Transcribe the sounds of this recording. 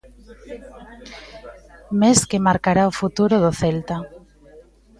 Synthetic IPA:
meskemaɾkaɾaofut̪uɾʊðoθelt̪a

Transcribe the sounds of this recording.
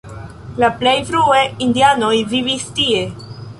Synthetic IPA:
laplejfɾueindiano̞jvivistie̞

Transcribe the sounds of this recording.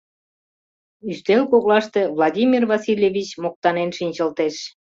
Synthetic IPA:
yst̪elkoɣlɑʃt̪evlˠɑdʲimʲirvɑsilʲevʲit͡ɕmok̚t̪ɑnenʃinʲt͡ɕəlt̪eʃ

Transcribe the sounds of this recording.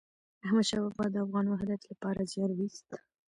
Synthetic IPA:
ahmad̪ʃɑbafɣɑd̪əafɣɑnwaɦd̪at̪lapɑɾazjɑnwist̪

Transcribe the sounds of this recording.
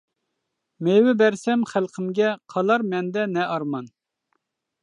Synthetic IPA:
mewɪbɛɾsɛmχælˠqʰəmɡʲɛqʰɑlˠɑɾmɛnd̪ɛnɛɑɾmɑn

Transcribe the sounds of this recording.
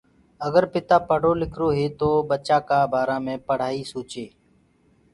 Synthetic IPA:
əɡəɾpɪt̪aːpəɽ̤oːlɪkʰɾoːɦeːt̪oːɓət͡ʃaːkaːbʱaːɾãːmẽːpəɽ̤aːiːsoːt͡ʃeː

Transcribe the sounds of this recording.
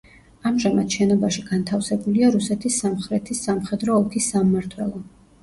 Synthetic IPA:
amʒamad̪̥ʃɛnɔbaʃiɡant̪ʰafsɛbuliaɾusɛt̪ʰisːamχɾɛt̪ʰisːamχɛd̪ɾɔːpʰisːamːaɾt̪ʰwɛlˠɔ

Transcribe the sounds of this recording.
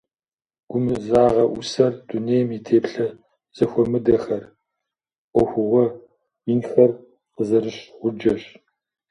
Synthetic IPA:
ɡ̥ʷʊmɨzaːʁɐʔʊsɐrduneːjmitʰeːpɬɐ | z̥ɐxʷɔmɨdɐxɐr | ʔʷɔxʷʊʁʷɔ | jɪnxɐr | qəzɐrɨɕʁʷʊd͡ʒɐɕ

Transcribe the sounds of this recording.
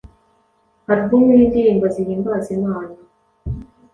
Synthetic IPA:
haɾuɡumuiːndiɾiːmbaziɾiːmbazimaːna

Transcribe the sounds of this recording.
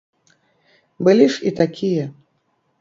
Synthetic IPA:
bɨlʲiʂit̪akʲijɛ

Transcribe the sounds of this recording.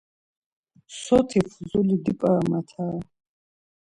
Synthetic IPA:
sɔt̪ʰifʰzulid̪ipʼaɾmat̪ʰa

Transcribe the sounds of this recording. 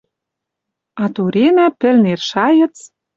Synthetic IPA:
ɑt̪uɾenæpɘ̆lnerʃɑjɤ̆t͡s

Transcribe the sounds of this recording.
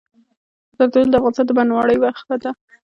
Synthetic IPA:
zaɾd̪ɑd̪əld̪əafɣɑnɪst̪ɑnd̪əbanwɑɽəjwaxt̪ad̪a

